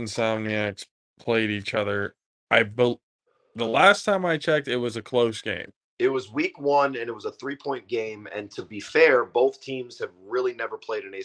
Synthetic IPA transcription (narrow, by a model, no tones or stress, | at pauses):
n̩sæ̃vniæks | pʰl̥eɪɾit͡ʃʌðə˞ | ʔaɪbə | ðəlæstʰãɪ̃maɪt͡ʃʰɛk̚tɨt̚wʌzɨkʰl̥oʊsɡ̥ḛ̃ɪ̃m | ɪt̚wʌzwikwʌ̃nɨ̃nɨt̚wʌzəθɹipʰɔ̃ɪ̃nɡ̥ẽɪ̃mɨ̰̃ntʰɨbifɛɹboʊθtʰĩmz̥ɨvɹɪlˠinɛvə˞pʰl̥eɪɾɨ̃ni